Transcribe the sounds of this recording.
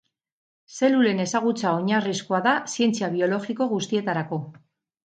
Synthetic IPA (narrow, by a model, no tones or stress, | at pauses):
se̞lule̞ne̞saɣut͡sao̞ɲariskoaðasie̞nt͡siaβ̞io̞lo̞ɣiko̞ɣust̪ie̞t̪aɾako̞